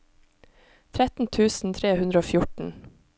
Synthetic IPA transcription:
t̪ʰɾɛt̪n̩t̪ʰʉːsn̩t̪ʰɾeːhʉnd̪ɾəoːfjʊʈɳ̩

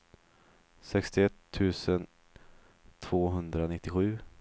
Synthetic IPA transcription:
sɛkst̪ɪɛt̪ʰːʉ̟ːsən | t̪ʰv̥oːɦɵnd̪ɾanɪt̪ːɪɧʉ̟ː

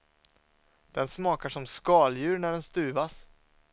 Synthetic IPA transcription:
d̪̥ɛnsmɑːkaʂɔmskɑːljʉ̟ːɾnæɖɛnst̪ʉ̟ːvas

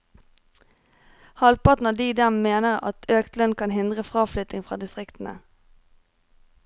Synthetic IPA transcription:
hɑlpɑʁt̪n̩ɑd̪iːd̪ɛmmeːnəʁɑ̰t̪ʰøːkt̪lœnkʰɑnhɪnd̪ʁəfʁɑːflʏt̪ɪŋfʁɑːd̪ɪst̪ʁɪkt̪n̩ə̰

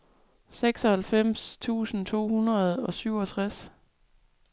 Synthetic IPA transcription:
seɡ̥sɒ̽hælfem̰st͡sʰṵːsn̩t͡sʰo̝̰ːhunɐð̞̩ˠɒ̽syʊɒt͡sʰʁas

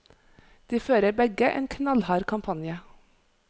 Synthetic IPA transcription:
d̪̥iːføːɾəbɛɡəʔḛːnkʰnɑlhɑːɾkʰɑmpʰɑnjə

